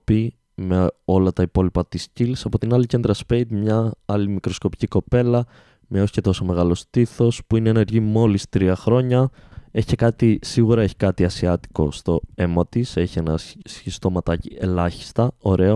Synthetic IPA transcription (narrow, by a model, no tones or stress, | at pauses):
pi | meo̞lɐt̪ɐipo̞lipɐt̪iscilsɐpo̞t̪inɐlice̞nd̪ɾɐspejd̪mɲɐɐlimikɾo̞sko̞pi̥ciko̞pe̞lɐ | mɲɐosce̞t̪o̞so̞me̞ɣɐlo̞st̪iθo̞spuineeneɾʝimo̞list̪ɾiɐxɾo̞ɲɐ | eçi̥ekɐt̪isiɣuɾɐeçi̥kɐt̪iɐsiɐt̪i̥ko̞̰st̪o̞e̞mɐt̪ise̞çie̞nɐsçist̪o̞mɐt̪ɐcielɐçi̥st̪ɐo̞ɾe̞o